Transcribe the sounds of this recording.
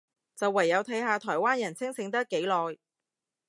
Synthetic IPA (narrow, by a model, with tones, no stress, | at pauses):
t͡sɐ˨wːɐ˨˩jːɐ˨˧wt̪ʰɐ˨˥jɦaː˧t̪ʰɔː˨˩jwaː˥njɐ˨˩nt͡sʰɪ˥ŋsɪ˨˥ŋt̪ɐ˥k̚ːe˨˥jlɔː˨j